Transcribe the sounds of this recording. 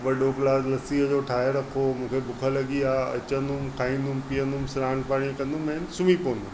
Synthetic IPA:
ʋɐɗoklaːzlɐsiɦəd͡ʑoːʈʰaːɦeɾɐkʰomũːkʰebʊkʰəlɐɠiaːɐ̰t͡ɕə̃nd̪umkʰaːɦĩːn̆d̪umpijə̃nd̪ʊmsɪɾãːɳpaːɽ̃ikɐ̃nd̪umɛ̃ːnɪsʊmipoːə̃nd̪ʊm

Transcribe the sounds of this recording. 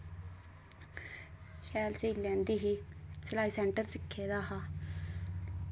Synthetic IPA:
ʃɛːlsiːlɛ̃ːnd̪iːɦiːsəlaːiːsɛ̃ːɳʈəɾsɪkʰːeːd̪aːɦaː

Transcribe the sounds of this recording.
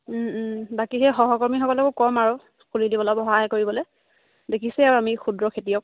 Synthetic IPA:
bakiɦɛxɔɦɔkɔɹmixɔkɔlakukɔmaɹu | kʰulilibɔlɔbɔɦaɦɛkoɹibɔlɛ | dekʰisɛaɹuamixudɹɔkʰetijɔk̚

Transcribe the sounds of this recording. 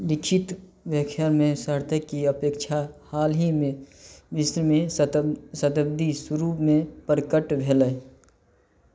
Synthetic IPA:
lɪkʰɪt̪ | bjəkʰjaɾmẽsəɾt̪ʰəkːiəpeːkt͡ʃʰahaːlɦimẽbɪsɾmẽ | sət̪əb̚d̪isəɾuːpmẽpəɾəkəʈbʱelə

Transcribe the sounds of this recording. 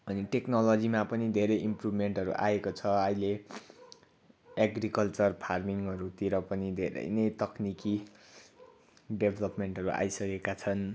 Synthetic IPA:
ʌniʈeknolʌd͡zimapʌnid̪ʱeɾʌjimprubʱmeɳʈɦʌɾṵʔa̰ekot͡sʰʌʌjle | aɡrikʌlt͡sʌrpʰarmiŋʌɾut̪iɾʌpʌnid̪ʱeɾʌ̰jnʌjt̪ʌkniki | ɖebʱelʌpmeɳʈʌɾuʔa̰jsʌkekat͡sʰʌn

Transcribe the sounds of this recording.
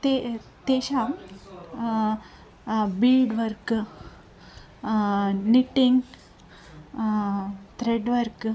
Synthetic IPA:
t̪et̪eɕam | bilɖʋəɾk | niʈiŋɡ | t̪ɾeɖʋəɾk

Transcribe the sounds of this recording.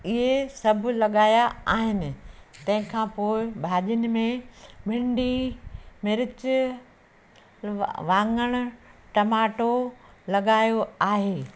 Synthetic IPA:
ɪɦesɐbʱʊlɐɠaːjaaːɦɪnɪ̆t̪ɐ̃ɦɪ̃kʰãːpoːɪbʱaːʄənɪ̆mẽbʱɪ̃ɳɖimɪɾɪt͡ɕ | ʋãːŋɡəɽ̃ʊ̆ʈɐmaːʈolɐɠaːjoaːɦeː

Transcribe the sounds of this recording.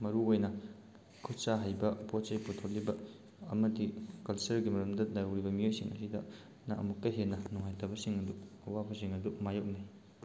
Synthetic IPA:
mɐɾuojnɐ | kʰutsaɦajbɐpot͡ʃɐjputʰotlibɐ̰ː | mɐdikɐlsɐɾɡimɐɾɐmdɐdajowɾibɐmiojsiŋɐ̰sidɐ | naʔɐ̰mukːɐjɦenɐnuŋajtɐbɐsiŋɐduɐwabɐsiŋɐdumajok̚naj

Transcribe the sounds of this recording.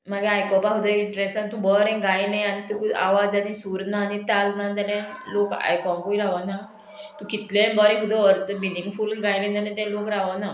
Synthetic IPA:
maɡeajkɔpaɦud̪əiɳʈɾesant̪ũbɔɾɛ̃ɡajneanit̪ukua̰ʋad͡zanisuɾnanit̪alnand͡z̪anɛ̃loka̰jkɔ̃ŋkuiɾaʋana | t̪ukit̪lẽbɔɾɛ̃ɦud̪ɔɾt̪biliŋɡfulɡajnẽd͡z̪anɛ̃t̪ɛ̃lokɾaʋana

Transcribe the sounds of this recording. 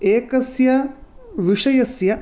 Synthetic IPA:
eːkɐsjɐʋiʂɐjɐsjɐ

